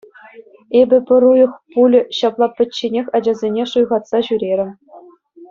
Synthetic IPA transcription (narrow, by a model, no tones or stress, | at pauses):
ebʲɘ̆pʲɘ̆ɾujɤ̆χpulʲɕɑplˠɑpʲɘ̆t͡ɕːenʲexʲɑd͡ʑɑzʲenʲeʂujʁɑt̪sɑʑyɾʲeɾʲɘ̆